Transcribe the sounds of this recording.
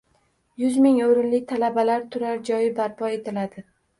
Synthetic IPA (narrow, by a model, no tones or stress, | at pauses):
jʊzmɪŋoɾɪnlɪk̚ʲt̪ʰalabalaɾt̪ʰʊɾaɾd͡ʒɒjɪbaɾpʰɒe̞t̪ʰɪlad̪ɪ